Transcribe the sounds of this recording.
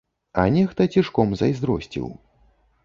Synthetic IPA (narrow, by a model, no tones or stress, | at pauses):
ɐ̰nʲɛxt̪ɐt͡sʲiʂkɔmzɐ̰jzd̪ɾɔ̰sʲt͡sʲḭw